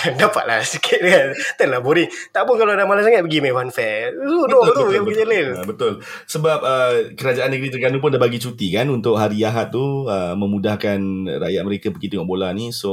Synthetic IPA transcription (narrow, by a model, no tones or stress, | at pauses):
adapa̰ʔ̪la̰sikʰɪt̪̚dkant̪əlahboɾit̪aʔpʊnkalaadamalasaŋat̪̚pəɡimafanfɛsunɔt̪upəɡiəlɪlbət̪ʊl | səbap̚əkəɾad͡ʒaanːəɡəɾit̪ərɡanup̬ʊndabaɡit͡ʃut̪ikanunt̪ʊk̚ɦaɾiaɦat̪ːuəməmudahkanra̰ʔjat̪̚məɾekapəɡit̪əŋɔʔbolaniso